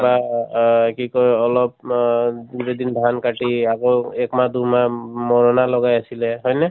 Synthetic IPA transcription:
ba | kikɔjɔlɔp̚ | dudɛd̪inbʱankaʈiakoekmad̪umamɔɹɔnalɔɡajasilɛɦɔjnɛ

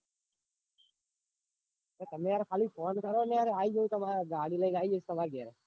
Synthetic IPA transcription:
eːt̪əmẽaɾkʰaːliːfʰoːnkəɾoːneəɾeaːiːd͡ʒot̪əmaɾɡaːɽiːləinaːid͡ʒːsʰt̪əmaːɾɡeɾeː

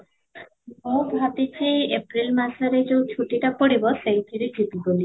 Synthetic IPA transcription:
mobʱatit͡ʃʰiepɾilmasɔɾed͡ʒewt͡ʃʰuʈiʈapɔɽibɔsejt̪ʰiɽid͡ʒibiɡoli

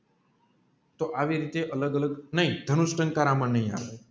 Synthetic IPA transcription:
t̪oʔaʋiɾit̪eʔələɡələɡnəĩd̪ʱənusʈə̃ŋkaɾamənəɦĩa̰ʋe

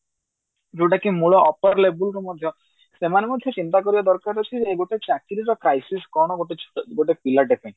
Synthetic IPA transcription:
d͡ʒoʈakimuɭɔʔɔpaɾlebulɾɔmɔd̪ʱjɔ | semanemɔd̪ʱjɔt͡ʃint̪akɔɾibad̪ɔɾkaɾɔt͡ʃʰid͡ʒeːɡoʈet͡ʃakiɾiɾɔkɾajsiskɔɾɽ̃ɔɡoʈeɡoʈepilaʈepaĩ

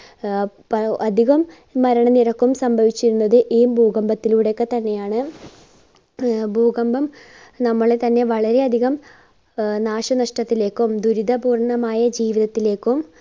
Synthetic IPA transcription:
pɐɐd̪ʱiɣɐmː | ɐɾɐɳɐnirɐkːumsɐmbʱɐʋit͡ɕːiɾunːɐðɨʔiːmbʱuːɣɐmbɐt̪ːiluːɽekːet̪ɐnːe̞jaːɳɨ | bʱuːɡɐmbɐm | nɐmːɐɭet̪ɐnːe̞ʋɐɭɐɾe̞ɐd̪ʱiɣɐm | naːʂɐnɐʂʈɐt̪ːile̞ːkːumd̪uɾid̪ɐbuːrɳɐmaːjɐd͡ʑiːʋiðɐt̪ːile̞ːkːum

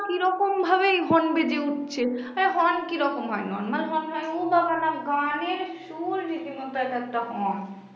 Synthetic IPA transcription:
kiɾɔkombʱaβeɦɔnbed͡ʒeuʈt͡ʃʰeɦɔnkiɾɔkomɦɔ̰jnɔ̰nmɐɾɦɔnɦajubakanaɡaneɾʃuɾd͡ʒit̪imot̪akat̪ːaɦɔn

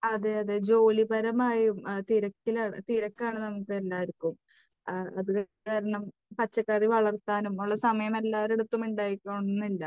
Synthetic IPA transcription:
ɐðeɐðed͡ʑo̞ːlibɐɾɐmaːjumt̪iɾɐkːilaːɳt̪iɾɐkːaːɳɨnɐmːukːelːaːiɾikʲːum | ɐ̰ðuk | aːɾɐɳɐm | pɐt͡ɕːɐkːaːriʋɐɭɐrt̪aːnumoɭːɐsɐmɐjɐme̞lːaːɾeɽut̪ːumuɳɖaːjikʲːɐɳnːilːɐ

